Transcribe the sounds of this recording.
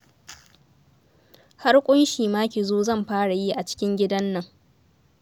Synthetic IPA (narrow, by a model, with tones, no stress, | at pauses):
ha˦rkʷʼʊ˦nʃiː˨maː˦kʲi˨zoː˦zɐ˦˨mɸaː˦ɽa˨ji˦ʔa˨t͡ʃɪ̥˦kʲɪ˦ŋɡʲɪ˦dɐ˦nːɐ˨ŋ